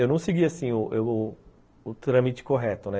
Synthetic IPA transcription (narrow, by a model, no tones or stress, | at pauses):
ewnɐ̃w̃seɡiasĩʊʔ | t̪ɾɐ̃mit͡ʃɪ̥koɦɛt̪ʊnɛ